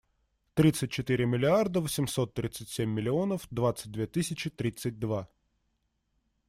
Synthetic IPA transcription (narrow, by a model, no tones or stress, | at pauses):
t̪ɾʲit̪sɨt̚ʲt͡ɕɪt̪ɨɾʲɪmʲɪlʲɪard̪əvəsʲɪmso̞t̪ːɾʲit̪sɨtʲsʲemʲːɪlʲɪonəfd̪vat̪sɨt̚ʲd̪vʲet̪ɨsʲɪt͡ɕɪt̪ɾʲit̪sɨt̚ʲd̪va